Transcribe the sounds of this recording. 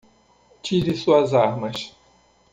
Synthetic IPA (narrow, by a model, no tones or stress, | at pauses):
t͡ʃiɾɪsuɐzaɾmɐs